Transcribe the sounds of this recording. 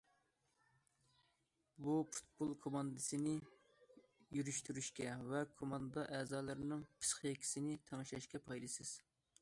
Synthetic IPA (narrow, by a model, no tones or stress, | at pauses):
bupʰu̥t̪̚bolˠkʰomɑnd̪ɨsɪnɪ | jyɾyʃt̪yɾyʃkʲɛvɛkʰomɑnd̪d̪ɑʔɛːzɑːlˠɨɾɪnɨŋpʰɨ̥sχjekʲʰi̥sɪnɪt̪ʰɛŋɨʃɑʃkʲɛpʰɑjlˠɨsɪz̥